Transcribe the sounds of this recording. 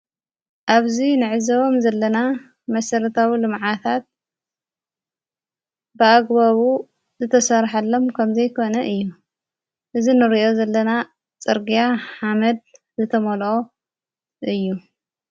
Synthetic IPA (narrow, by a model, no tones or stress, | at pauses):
ʔaβzinɨʕɨzɐomzɐlːɐna | mɐsɐɾɐt̪ʰawilɨmʕat̪ʰat̪̚ | bɨaɡβaβu | zɨt̪ʰɐsɐɾħalːo̞mkʰɐmzɐjkʰo̞nɐʔɨjːu | ʔɨzinɨɾiʔo̞zɐlːɐna | t͡sʼɨɾɡijaħamɐd̪̚ | zɨt̪ʰɐmɐlʔo̞ | ʔɨjːu